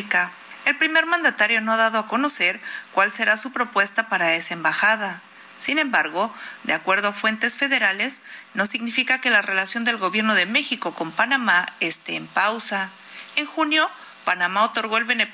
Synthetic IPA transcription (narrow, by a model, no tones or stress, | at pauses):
ka | elpɾime̞ɾmãnd̪at̪aɾjo̞no̞aðaðo̞ako̞no̞se̞ɾkwalse̞ɾasupɾo̞pwe̞st̪apaɾaese̞mbaxað̞a | sinẽ̞mbaɾɣo̞d̪eakwe̞ɾð̞oafwe̞nt̪e̞sfe̞ðe̞ɾale̞sno̞siɣnifikake̞lare̞lasjo̞nd̪e̞lɣo̞βje̞ɾno̞ðe̞me̞xiko̞ko̞mpanamaest̪e̞ːmpawsa | eŋxunjo̞ | panamao̞t̪o̞ɾɣo̞e̞lβe̞ne